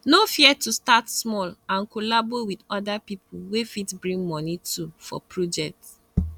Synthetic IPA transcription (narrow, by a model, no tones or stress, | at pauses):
nofiɛtustatsmɔlãnkolabowidɔdapipowefitbɹĩŋmɔnitʰufɔ̰pɹod͡ʒɛk̚t